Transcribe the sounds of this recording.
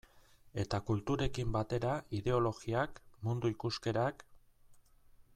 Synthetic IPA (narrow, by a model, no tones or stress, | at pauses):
e̞t̪akult̪uɾe̞kimbat̪e̞ɾaiðe̞o̞lo̞ɣiakmund̪uikuske̞ɾak